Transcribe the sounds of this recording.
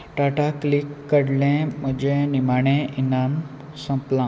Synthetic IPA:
ʈaʈaklikːəɽlẽməd͡ʑẽnimaɽ̃ẽinam | sə̃mplã

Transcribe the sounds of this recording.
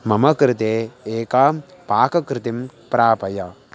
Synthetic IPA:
mɐmɐkɾɪt̪eːeːkaːpaːkɐkɾɪt̪impɾaːpɐjɐ

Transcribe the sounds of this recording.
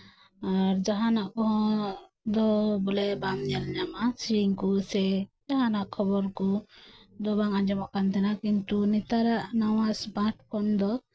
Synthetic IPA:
aɾd͡ʒaɦanaʔkɔɦɔ | d̪ɔbɔlɛbamɲɛlɲamasiiŋkusɛd͡ʒaɦanaʔkʰɔbɔɾkɔd̪ɔbaŋaɲd͡ʒɔmɔʔkant̪ʰɛnakint̪unit̪aɾaʔnawasbãʈ̚kɔnd̪ɔ

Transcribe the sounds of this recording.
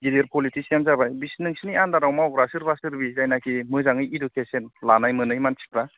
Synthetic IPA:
ɡileɾpʰɔlitʰisianzabajbisnɯŋsiniandaɾawmawɡɾasɯɾbasɯɾbizajnakʰimɯzaŋɯjidukʰesenlanajmɯnɯjmansʰi̥kɾa

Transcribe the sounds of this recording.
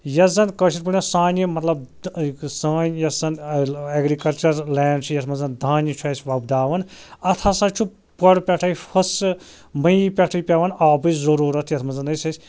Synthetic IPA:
jɐzɐnkɐʃʰiɾ̚puɳʲasaːnimɐt̪lɐbdsaːnʲjɐsɐneɡɾikɐlt͡ʃɐɾlɛːɳɖt͡ʃʰujɐt̪ʰmɐnzɐnd̪ʱaːnʲit͡ʃʰuaːsʲʋɐbd̪aːʋɐnɐt̪ʰasat͡ʃʰu | pɐɽpʲɐʈʰɐjpʰɐs | mɐjpʲɐʈʰɐjpʲɐʋɐnaːbɨzɐɾuːɾɐt̪ʰjɐt̪ʰmɐzɐnɐjsɐsʲ

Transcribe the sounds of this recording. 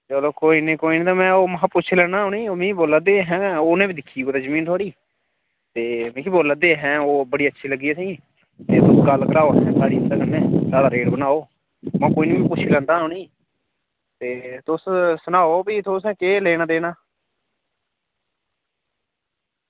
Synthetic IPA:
t͡ʃəloːkoːiːnẽːkoːiːnĩːt̪aːmɛ̃ːoːməpʊt͡ʃʰlɛːnaːɦʊːniːoːmĩːboːlad̪eːɦɛ̃ːoːnẽːbiːd̪ɪkʰːiːoːt̪aːzəmĩːnt̪ʰoaːɽiː | t̪eːmĩːkiboːləd̪eːɦɛ̃ːoːbəɽiːətːʃʰiːləɡiːɛːsĩː | t̪eːt̪ʊsɡəlkəɾaːoːɦɛ̃ːsaːɽiːənd̪aːkənːẽːsaːɽaːɾeːɖbənaːoː | mãːkoːiːnĩːmɛ̃ːpʊt͡ʃʰːlɛ̃ːnd̪aːɦʊniː | t̪eːt̪ʊssʊnaːoːpiːt̪ʊsɛ̃ːkeːleːnãːd̪eːnaː

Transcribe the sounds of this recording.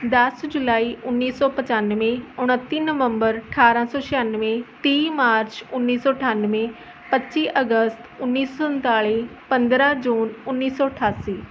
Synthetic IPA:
d̪əsd͡ʒʊlaːiːʔʊnːiːsɔːpət͡ʃanʋẽʊɽ̃ət̪ːiːnəʋəmbəɾəəʈʰaːɾãːsɔːʃɪjaːnʋẽːt̪iːmaːɾt͡ʃʊnːiːsɔːəʈʰaːnʋẽ | pətːʃiːʔəɡəst̪ʊnːiːsɔsənt̪aːɭiːpə̃nd̪ɾãːd͡ʒuːnʊnːiːsɔːəʈʰaːsiː

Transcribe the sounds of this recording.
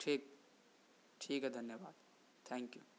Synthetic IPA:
ʈʰiːk | ʈʰiːkɦɛd̪ʱɐnjəʋaːd̪̥ | t̪ʰɛ̃ːŋkju

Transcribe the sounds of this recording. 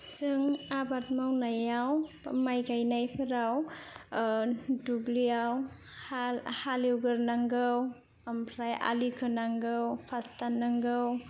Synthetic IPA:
t͡ʃɯŋabat̚mawnajaw | majɡajnajpʰɯɾaw | duɡlijaw | halhalewɡɯɾnaŋɡɯw | ampʰɾajʔa̰likʰɯnaŋɡɯwpʰastanːaŋɡɯw

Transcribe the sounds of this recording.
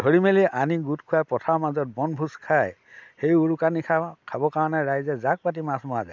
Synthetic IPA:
dʱoɹimelianiɡutkʰʊjapɔtʰawmazɔt̚bɔnbʱuskʰaj | xejuɹukanikʰakʰabɔkaɹɔnɛɹajzɛzak̚pat̬imasmɔaza̰

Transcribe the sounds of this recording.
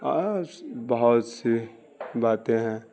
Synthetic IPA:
abɐɦɔt̪si | baːt̪ẽɦɛ̃

